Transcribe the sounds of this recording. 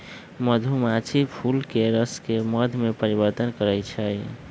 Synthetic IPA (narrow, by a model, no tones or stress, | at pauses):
məd̪ʱumat͡ʃʰipʰulkeɾəskeməd̪ʱmepəɾibəɾt̪ənkəɾət͡ʃʰəj